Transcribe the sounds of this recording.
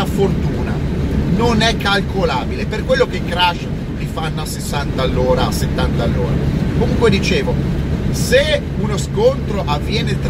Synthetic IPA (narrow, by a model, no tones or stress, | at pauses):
afort̪uːna̰nonɛkːalkolaːbileperkwelːokekɾaʃ | lifanːoasesːant̪aːlːoːɾaaset̪ːant̪alːo̰ːɾa̰komuŋkwed̪it͡ʃeːvose | unoskont̪ɾoʔavːjɛːnet̪